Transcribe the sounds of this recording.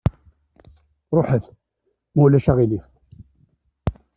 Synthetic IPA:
ɾˤoħəθ | mæwlæʃaʁilif

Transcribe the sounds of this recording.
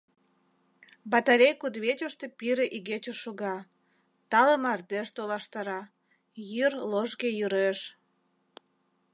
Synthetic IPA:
bɑt̪aɾʲejkud̪βet͡ɕəʃt̪e̽piɾeʔiɣet͡ɕoʃuɣɑ | t̪ɑləmɑrd̪eʃt̪olɑʃt̪ɑɾɑ | jyrloʒɣejyɾeʃ

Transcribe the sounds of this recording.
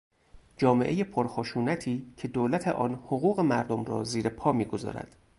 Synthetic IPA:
d͡ʒɒːme̞ʔeje̞pʰoɾxoʃuːnæt̪ʰiːcʰe̞d̪oːlæt̪ʰeʔɒːnhoɣuːɣe̞mæɾd̪omrɒ̰ːziːɾe̞pʰɒːmiːɡozɒ̰ːɾæ̰d̪̥

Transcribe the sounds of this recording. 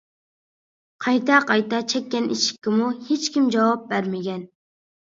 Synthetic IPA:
qʰɑjt̪ɛqʰɑjt̪ɑt͡ʃʰɛkʲːɛnḭʃi̥kʲːɪmuhet͡ʃkʲimd͡ʒɑwɑp̚bæɾmɪɡʲɛn

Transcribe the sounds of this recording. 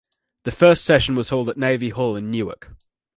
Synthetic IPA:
ðəfɜˑstsɛʃə̃nwɒz̥həʊlˠdəʔneɪvihɔːlɪ̃nːjʉːə̰k

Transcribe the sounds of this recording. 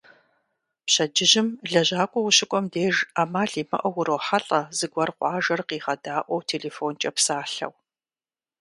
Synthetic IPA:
pɕɐd͡ʒɪʑɪmɮɐʑaːkʷʼɔwʊɕɪkʷʼɔmdeːʒaːmaːɮiːmɐ̰ʔɐwʊɾowħaɬʼɐzɨɡʷɐrqʷɑːʒɐrqiːʁɐdaːʔʷɔwtʰeːɮeːfoːnt͡ʃʼɐpsaːɬɐ̰w

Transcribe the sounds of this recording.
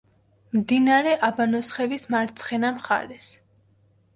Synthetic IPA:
md̪inaɾɛʔabanɔsχɛvismaɾt̪sʰχɛnamχa̰ɾɛs

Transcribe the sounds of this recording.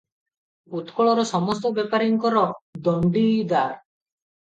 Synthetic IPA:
ut̪kɔɭɔɾɔsɔmɔst̪ɔbepaɾiŋkɔɾɔd̪ɔɳɖid̪aɾ

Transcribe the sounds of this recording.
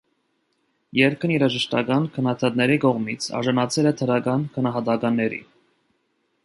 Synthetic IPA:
jɛɾkʰəniɾɑʒəʃt̪ɑ̰kɑnkʰənɑt̪ʰɑt̪nɛɾikɔʁmit͡sʰɑ̰ɾʒɑnɑt͡sʰɛlɛt̪ʰəɾɑkɑnkʰənɑɦɑt̪ɑkɑnːɛɾḭ

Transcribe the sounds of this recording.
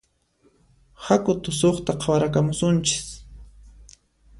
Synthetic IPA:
hakʊt̪ʊsoχt̪aqʰɑwaɾakamʊsʊnt͡ʃɪ̥s

